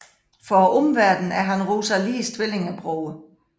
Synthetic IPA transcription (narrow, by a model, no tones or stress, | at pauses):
fɒʔɔmʋæɐ̰d̥n̩æɐɦænʁoːsɐliːst͡sʰʋe̝le̝ŋæb̥ʁɔʊə